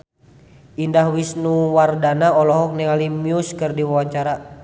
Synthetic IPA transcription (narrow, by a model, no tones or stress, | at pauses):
indahwisnuwardanaɔlɔɦɔk̚nɛalimiuskɨrdiwawaɲt͡ʃaɾa